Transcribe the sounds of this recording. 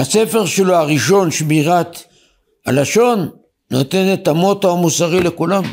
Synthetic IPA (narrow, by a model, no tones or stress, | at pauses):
hase̞fe̞ʁʃeloaʁiʃo̞nʃbiʁat̪ | a̰laʃo̞nː | o̞t̪e̞net̪amot̪amusaʁile̞kulam